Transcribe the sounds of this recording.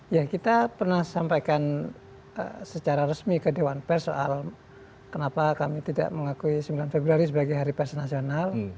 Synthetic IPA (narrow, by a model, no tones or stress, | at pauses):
jakit̪apərnahsampajkan | ə̰sət͡ʃaɾaɾəsmikədewanpɛrso̰ʔal | kənapakamit̪ida̰ʔməŋakuisəmbilanfebɾuaɾis̬əbaɡajɦaɾipɛrsonasional